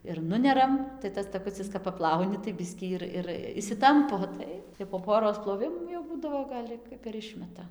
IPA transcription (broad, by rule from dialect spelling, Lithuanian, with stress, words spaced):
ɪr ˈnʊnʲɛrɐm tɐɪ ˈtɐs tɐˈkʊt͡sʲɪs kɐp pɐˈplˠɐʊnʲɪ tɐɪ ˈbʲɪsʲkʲiː ɪr ɪr ɪʃʲsʲɪˈtɐmpoː ˈtɐɪ jɛʊ poː ˈpoːroːs plˠoːˈʋʲɪmuː jɛʊ ˈbuːdɐʋoː ˈɡɐlʲ ɪ kɐp ɪr ˈɪʃʲmʲɛtɐ